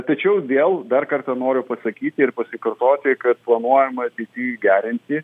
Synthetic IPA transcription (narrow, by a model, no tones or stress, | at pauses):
t̪ɐt͡ʃʲɛʊʋʲeːlˠd̪ɐrkɐrt̪ɐnoːɾʲʊpɐsɐkʲiːt̪ʲɪɪrpɐsʲɪkɐrt̪oːt̪ʲɪkɐt̪̚plˠɐnuɔjɛmɐɐt̪ʲɛɪt̪ʲiːɡʲæːɾʲɪnʲt̪ʲɪ